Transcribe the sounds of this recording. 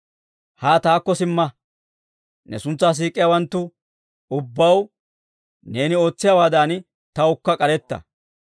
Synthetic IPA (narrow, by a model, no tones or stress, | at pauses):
haːt̪aːkːɔsɪmːɐ | nɛ̰sʊnt͡sːaːs̬iːkʼːɪjaːwɐnt̪ːʊ | ʊbːɐw | ne̞ːnɪo̞ːt͡sːɪjaːwaːd̪aːn | t̪ɐʊkːɐkʼɐɾɛt̪ːɐ̰